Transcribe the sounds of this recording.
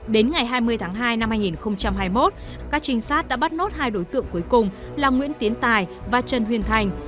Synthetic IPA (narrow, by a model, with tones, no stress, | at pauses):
ɗe˨˦nŋa˨˩jɦaː˧jmɨ˧əjt̪ʰaː˨˦ŋɦaː˧jna˧mhaː˧jŋi˨˩nxə˧wŋ͡mt͡ɕa˧mɦaː˧jmo˦˥t̚ | kaː˦˥k̚t͡ɕï˧ŋ̟saː˦˥t̚ɗa̰ː˧˥ɓa˦˥t̚no˦˥t̚haː˧jɗo˨˦jt̪ɨ̰˧˨əŋku˨˦əjkʊ˨˩ŋ͡m | laː˨˩ŋwi˧˥ənt̪i˨˦ənt̪aː˨˩jvaː˨˩t͡ɕə˨˩nɦwi˧˩ənt̪ʰa˨˧˩jŋ̟